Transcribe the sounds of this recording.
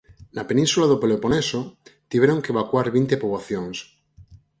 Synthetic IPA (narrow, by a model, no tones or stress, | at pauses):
napenĩnsulaðopeleponesot̪iβeɾoŋkeeβakwaɾβint̪epoβwaθjoŋs